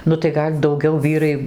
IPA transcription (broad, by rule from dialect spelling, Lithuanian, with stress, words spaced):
nʊ tɐɪ ˈɡɐlʲ dɐʊˈɡʲɛʊ ˈʋʲiːrɐɪ